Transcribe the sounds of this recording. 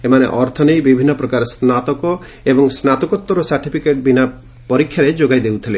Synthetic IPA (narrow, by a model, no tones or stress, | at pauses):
emanḛʔɔɾt̪ʰɔnejbibʱinːɔpɾɔkaɾsnat̪ɔkɔ | ebɔŋsnat̪ɔkɔt̪ːɔɾɔsaɾʈipʰikeʈ̚bina | pɔɾikʰːjaɾed͡ʒoɡajd̪ewt̪ʰile